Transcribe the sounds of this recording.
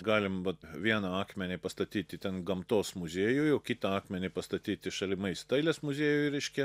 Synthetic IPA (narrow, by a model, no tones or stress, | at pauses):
ɡɑːlʲɪmʋɐt̪ʋʲiɛnɐɑːkmʲɛnʲɪpɐst̪ɐt̪ʲiːt̪ʲɪt̪ʲɛnɡɐmt̪oːsmʊzʲeːjʊjjoːkʲɪt̪ɐɑːkmʲɛnʲɪpɐst̪ɐt̪ʲiːt̪ʲɪʃɐlʲɪmɐɪst̪ɐɪlʲesmʊzʲeːjʊjɾʲɛɪʃʲkʲɛ